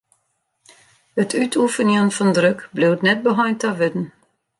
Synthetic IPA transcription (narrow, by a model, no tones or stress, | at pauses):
ətʰytʰufənjənfɔndrøkblɪwtnɛt̚bəɦɔjntaʋɪdn̩